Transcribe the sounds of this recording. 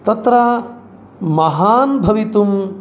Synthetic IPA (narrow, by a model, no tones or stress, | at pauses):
t̪ɐt̪ɾɐ | mɐɦaːnbʱɐʋit̪um